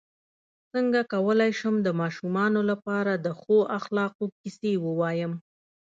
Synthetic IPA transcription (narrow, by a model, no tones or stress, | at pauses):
səŋɡakawəlajʃəmd̪əmɑʃumɑnolapɑɾad̪əxoʔaxlɑqokɪsewəwɑjəm